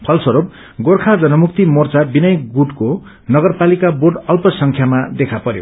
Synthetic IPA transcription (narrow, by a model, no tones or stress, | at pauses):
pʰʌlsʌɾob̚ | ɡorkʰad͡zʌnʌmuk̚t̪imort͡sabinʌjkɡuɖko | nʌɡʌrpalikaborɖʌlpʌsʌŋkʰjamad̪ekʰapʌɾjo̰